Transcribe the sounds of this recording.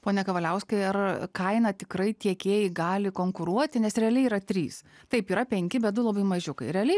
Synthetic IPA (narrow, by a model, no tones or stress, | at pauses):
poːnʲɛkɐʋɐlʲɛʊskɐɪɐrkɐɪnɐt̪ʲɪkrɐɪt̪ʲiɛkʲeːjɪɡɑːlʲɪkoːŋkʊɾuɔt̪ʲɪnʲɛsɾʲɛɐlʲɛɪiːɾɐt̪ʲɾʲiːs | t̪ɐɪpiːɾɐpʲɛŋʲkʲɪbʲɛt̪̚d̪ʊlˠɐbɐɪmɐʒʲʊkɐɪɾʲɛɐlʲɛɪ